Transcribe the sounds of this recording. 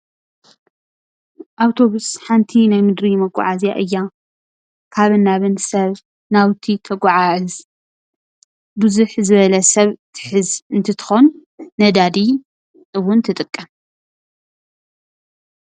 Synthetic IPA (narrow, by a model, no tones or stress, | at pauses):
ʔawt̪ʰo̞βusħant̪ʰinajmɨd̪ɾimɐɡʼɔ̰ʕazja̰ʔɨjːa | kʰaβɨnːaβɨnsɐβ | nawt̪ʰit̪ʰɐɡʷʼɔʕaɨz | bɨzuħzɨβɐlɐsɐβt̪ʰɨ̥ħɨzɨnt̪ʰɐt̪ʰɨ̥xonː | ɐd̪ad̪i | ɨwːʊnt̪ʰɨt̪ʼɨkʼːɐm